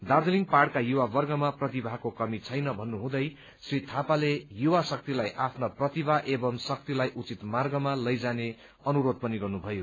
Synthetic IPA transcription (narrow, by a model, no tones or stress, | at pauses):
d̪ard̪eliŋɡparɽkajuwabʌrɡʌmaprʌt̪ibʱakokʌmit͡sʰʌjnʌbʱʌnːuɦũd̪ʌj | srit̪ʰapalejuwasʌk̚t̪ilajʔapʰnaprʌt̪ibʱaʔebʌmsʌk̚t̪ilajʔut͡sit̪marɡʌmalʌjd͡zane | ʌnuɾod̪̚pʌniɡʌrnubʱʌjo